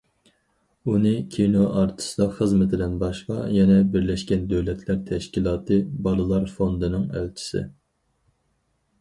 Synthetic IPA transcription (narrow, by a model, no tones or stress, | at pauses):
unɨkʲʰinoʔɑɾt̪ʰɨ̥sɨd̪ɑχəzmɪt̪ʰɪd̪ɛnbɑʃqɑ̰jɛnɛbɪɾlɛʃkʲɛnd̪øwlɛt̪ʰlæɾt̪ʰɛʃkʲilˠɑːt̪ʰɨbɑlˠɨlˠɑɾfond̪ɨnɨŋælt͡ʃʰi̥sɪ̰